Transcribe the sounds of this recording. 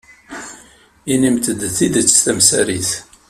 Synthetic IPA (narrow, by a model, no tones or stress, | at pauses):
inimt̪əd̪θid̪ət͡sːt̪æmsæɾiθ